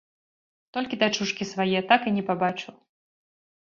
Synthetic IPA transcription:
t̪ɔlʲkʲid̪at͡ʂuʂkʲisvajɛt̪akinʲɛpabat͡ʂɨw

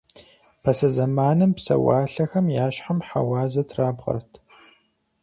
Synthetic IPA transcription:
pʰɐsɐzɐmaːnɨmpsɐ̰wa̰ːɬɐxɐmjaːʃħamħa̰wɑːzɐtʰraːbʁɐ̰rtʰ

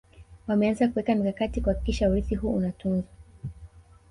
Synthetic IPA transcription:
wamɛanzakuwɛkamikakatikuhaki̥kiʃauɾiθiɦuːunatunza

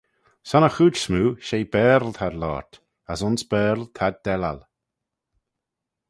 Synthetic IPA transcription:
sanəxuːd͡ʒsmuːʃejbɛːɾlt̪ʰad̪lɔ̰ːɹt̪ | asʊnsb̥ɛːɾlt̪ʰad̪̚dɛla̰l

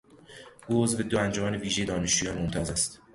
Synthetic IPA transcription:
ʔuːo̞zve̞d̪oænd͡ʒomæːneviːʒeje̞d̪ɒːneʃt͡ʃuːjɒːnmomt̪ʰɒːzæst̪

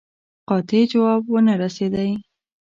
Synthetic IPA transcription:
qɑt̪ed͡ʒawɑbwənaɾased̪aj

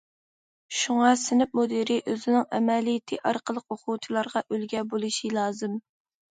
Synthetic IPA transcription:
ʃuŋɑsɪnɪp̚mod̪iɾɪʔøzɪnɪŋɛ̰mɛlijɪt̪ʰɪʔɑɾqəlˠəqoqʰuwt͡ʃ̪ʰɨlˠɑɾʁɑʔølɡʲɛbolˠɨʃilˠɑːzɨm

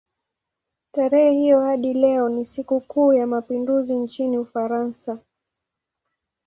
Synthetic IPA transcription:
taɾɛhɛhijɔhaɗilɛɔnisikukuːjamapinduzint͡ʃiniufaɾansa

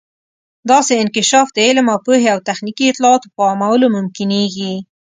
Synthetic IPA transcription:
d̪ɑseɪnkɪʃɑfd̪əelmɑpuɦeawt̪axnikiɪt̪lɑɑt̪opəɑmawəlomʊmkɪneɡi

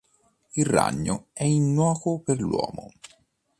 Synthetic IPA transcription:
ilrːa̰ɲːoɛinːwɔːkoperlwɔ̰ːmo̰

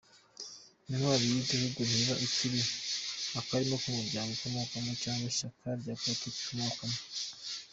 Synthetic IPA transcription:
ninwaːɾijiɟihuɡun̥iβaʔiciɾi | akaɾimokumuɾɟaːŋɡokumokamot͡ʃaːŋɡwaʃakʰaɾɟatati̥kumokamo

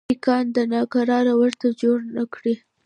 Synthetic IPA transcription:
ikɑnd̪ənɑkaɾɑɾawəɾt̪ad͡ʒoɽnakɽi

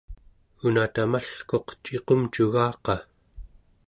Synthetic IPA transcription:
unat̪amaɬko̞qt͡ʃeqomt͡ʃuɣɑːqɑ

